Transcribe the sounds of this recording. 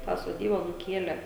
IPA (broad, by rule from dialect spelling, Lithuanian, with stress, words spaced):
tɑː soːˈdʲiːbɐ nʊˈkʲiɛlʲeː